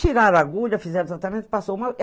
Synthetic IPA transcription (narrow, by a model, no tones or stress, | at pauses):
t͡ʃiɾaɾaɡuʎɐfizɛɾezat̪ɐmẽnt̪ɪ̥pasowmaw